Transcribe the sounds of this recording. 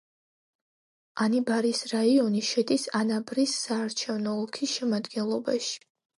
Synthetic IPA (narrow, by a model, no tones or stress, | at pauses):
anibaɾisɾaiɔniʃɛd̪isanabɾisːaːɾt͡ʃʰɛvnɔːlˠkʰisʃɛmad̪ɡɛnlˠɔbaʃi̥